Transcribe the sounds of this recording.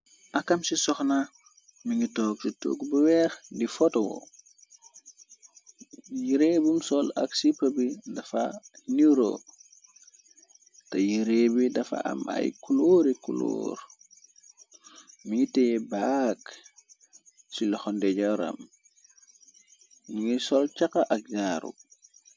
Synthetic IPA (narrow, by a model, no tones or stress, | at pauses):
ʔɐkɐmsisɔxna | miŋitɔːk̚sito̰ːɡbuwɛːxndifɔtwɔ̰ | jiɾeːbumsɔlɐ̰ksipːɐbidɐfɐniɾo̰ | tɐjiɾeːbidɐfa̰ɐ̰mɐ̰jkuloɾikulo̰ːɾ | miŋitɛjɛbak | silɔxɔndɛɟɔɾɐ̰m | miŋisɔlt͡ʃakɐʔɐk̚ɲaːɾṵ